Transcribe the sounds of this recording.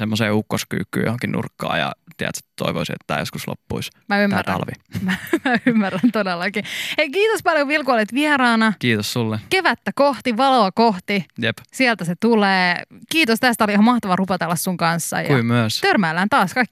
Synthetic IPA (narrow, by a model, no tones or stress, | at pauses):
semːoseːukːosky̰ːkːy̰ːjo̰hoŋkinnṵrkːɑ̰ːjɑ̰t̪iæ̰t̪si̥t̪t̪ːo̰iʋo̰isiḛt̪ːæːjoskuslo̰pːuismæymːær̰ɑ̰lʋḭmæmæymːærːænt̪odelːɑkieikiːt̪ospɑljoʋielkuolet̪ʋieɾɑːnɑkiːt̪ossulːekeʋæt̪ːækoht̪iʋɑloɑkoht̪ijepsielt̪æset̪uleːkiːt̪ost̪æst̪æoliihɑmɑht̪ɑʋɑrupɑt̪elːɑssuŋkɑnsːɑ̰jɑuimyæst̪ørmæːlːæːnt̪ɑːskɑikːi